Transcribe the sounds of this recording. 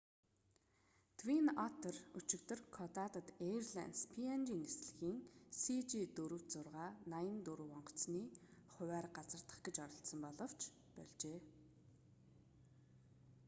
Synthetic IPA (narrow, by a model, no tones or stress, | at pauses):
t̪ʰwinɔt̪ʰərut͡ɕɪ̆kt̪ɵ̆rkʰɔt̪at̪ə̆t̪erɮæ̰nspʰiant͡ɕiːŋesɮɘ̆xiːŋsit͡ɕit̪ɵɾɵ̆w̥t͡sʊrʁaːnajə̆nt̪uɾɵwɔɴɢɞ̥̆t͡sniːχʊwæːrɢat͡sə̆rt̪ə̥̆χɡet͡ɕɔɾɞ̆ɬsə̆mpɔɮɞ̆w̥t͡ɕ | pɔ̰ɮt͡ɕeː